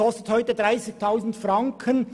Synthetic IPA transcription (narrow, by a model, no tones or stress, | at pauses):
ɔst̪əthɔʏtədʁaɪsɪk̚tʰaʊsn̩tfrɑŋkʰən